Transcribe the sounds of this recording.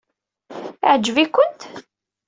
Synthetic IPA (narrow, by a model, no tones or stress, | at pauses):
ʕd͡ʒːvikʷʊnt̪